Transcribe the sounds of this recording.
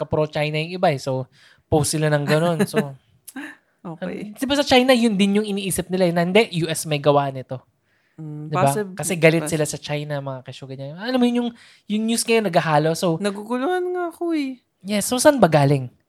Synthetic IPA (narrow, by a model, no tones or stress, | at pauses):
kɐpɾot͡ʃajnɐjʊŋɪbaʔɛsow | powstːɪlanɐŋɡɐno̞nso | oːd̪̥ɪbasɐt͡ʃajnɐjʊnd̪ɪnjʊŋʔɪniːʔiːsɪp̚nɪlaɛnɐhɪnd̪ɛʔjuːʔɛsmɐjɡɐwaːʔnɪt̪o̞ | d̪ɪbakɐsɛɡɐlɪt̪sɪlasɐt͡ʃajnɐmɐŋakɐʃuɡɐd̪ɲanɐlamojʊnjʊŋ | jʊŋɲuskɐjonɐɡɐɦaːlo̞so̞wnɐɡuɡʊlʊŋanŋaɐkoɛ | jɛsːosɐnbɐɡaːlɪŋ